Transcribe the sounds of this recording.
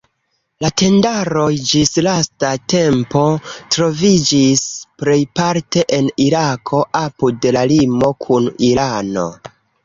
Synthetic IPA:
late̞ndaɾo̞jd͡ʒislastate̞mpo̞tɾo̞vid͡ʒispɾe̞jpaɾte̞ʔeniɾakʰo̞ʔapudelalimo̞kʰuniɾano̞̰

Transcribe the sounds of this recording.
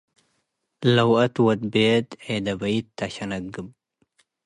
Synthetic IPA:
lɐwʔɐt̪wɔd̪beːt̪ʕed̪ɐbɐjt̪ʰːaʃɐnɐɡɨb

